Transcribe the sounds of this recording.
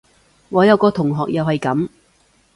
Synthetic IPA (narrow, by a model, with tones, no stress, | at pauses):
ŋɔː˨˧jɐ˨˧wkɔː˧t̪ʰʊ˨˩ŋɦɔː˨k̚jɐ˨whɐ˨jkɐ˨˥m